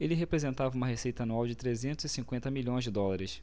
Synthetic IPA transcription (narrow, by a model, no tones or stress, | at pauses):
elɪɦepɾezẽnt̪avɐũmɐɦesejt̪ɐanuawd͡ʒɪt̪ɾezẽnt̪ʊzɪsĩŋkwẽnt̪ɐmiʎõj̃zd͡ʒɪd̪ɔlaɾɪs